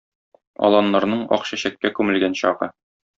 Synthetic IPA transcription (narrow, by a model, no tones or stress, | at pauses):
ɒ̰lˠɑnːɑɾnɤɴɒ̰qɕæɕækːækʉmɘ̆lɡænɕɒʁɤ̰